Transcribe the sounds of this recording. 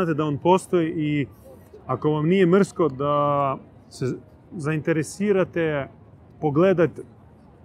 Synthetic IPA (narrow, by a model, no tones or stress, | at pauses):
aːt̪ed̪aoːnpo̞ːst̪ojiʔi | ako̞ʋamnijemr̩sko̞d̪a | se | zaint̪eɾesiːɾat̪e | po̞ɡleːd̪at̪ʲ